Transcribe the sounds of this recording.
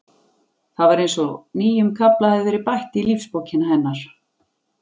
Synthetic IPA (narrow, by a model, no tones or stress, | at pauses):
θaðvaɾejnsɔniːjʏmkʰaplaaðʏɾɪpajht̪ɪilifspoːwcɪnaɦɛnːaɾ̥